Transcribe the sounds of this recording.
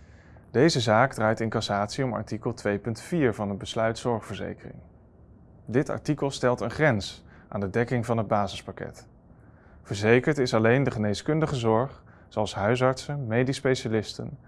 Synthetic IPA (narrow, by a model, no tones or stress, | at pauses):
d̥ejzəzaːɡdraːjtɪŋkɑsaːtsiɔmɑ̰ɹtikəlˠtʋejpɵntfiːɹvɑnɦənbəslœɥtsɔɹχfəɹzḛjkərɪ̰ŋ | dɪtɑ̰ɹtikəlˠstɛlˠtənχrɛns | ʔa̰ːndədɛkɪŋvɑnɦəd̚baːzɪspɑkɛ̰t | v̥əɹzejkəɹtɪsɑlejndəχənejskɵndəχəzɔɹχ | sowɑlˠsɦœɥs̬ɑɹtsənmejdispejʃalɪstə̰n